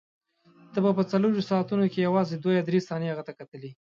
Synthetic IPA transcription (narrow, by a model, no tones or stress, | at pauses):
t̪əbapət͡saloɾosɑːt̪unokejawɑzed̪wajad̪ɾest̪ɑnehaɣət̪akat̪əli